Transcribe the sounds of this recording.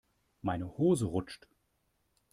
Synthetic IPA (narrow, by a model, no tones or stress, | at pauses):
maɪnəhoːzəʁʊt͡ʃt